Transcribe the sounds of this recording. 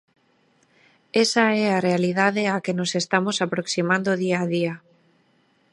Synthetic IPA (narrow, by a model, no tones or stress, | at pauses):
esaɛarealiðaðeakenosest̪amosapɾoksimãnd̪oðiaðia